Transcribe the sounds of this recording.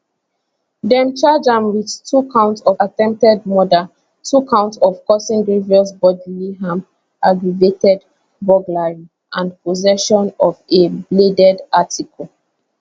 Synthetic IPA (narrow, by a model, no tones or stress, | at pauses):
dɛ̃mt͡ʃad͡ʒãmwiðtʰukʰãʊ̃ntsɔatɛ̃mp̚tɛdmɔda | tʰukʰãʊ̃ntsɔvkɔsĩndɹiviɔsbɔdliɦãm | ʔaɡɹivetɛd | bɔɡlaɪm | ʔãnpʰozɛʃɔ̃nɔvebledɛdatikʰɔl